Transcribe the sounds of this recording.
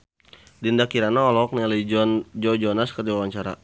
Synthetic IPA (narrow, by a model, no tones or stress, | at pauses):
dindakiɾanaɔlɔɔk̚nialid͡ʒnd͡ʒod͡ʒɔnaskərdiwawaɲt͡ʃaɾa̰